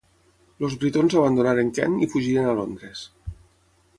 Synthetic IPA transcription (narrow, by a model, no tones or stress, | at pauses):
lozβɾit̪onzaβand̪unaɾeŋkɛ̰nifuʒiɾenalond̪ɾes